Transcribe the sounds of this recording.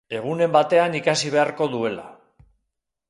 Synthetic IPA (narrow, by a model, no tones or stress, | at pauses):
e̞ɣ̞une̞mbat̪e̞anikasiβ̞e̞aɾko̞ðue̞la̰